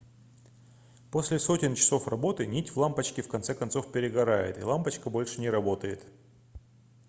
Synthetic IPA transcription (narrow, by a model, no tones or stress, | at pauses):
po̞sʲlʲɪso̞tʲɪnt͡ɕɪ̥so̞frɐbo̞t̪ɨnʲitʲvlˠampət͡ɕkʲɪfkɐnt̪sɛkɐnt̪so̞fpʲɪɾʲɪɡɐɾajɪ̰t̪ɪ̰lˠampət͡ɕkəbo̞lʲʂɨnʲɪɾɐbo̞t̪əjɪt̪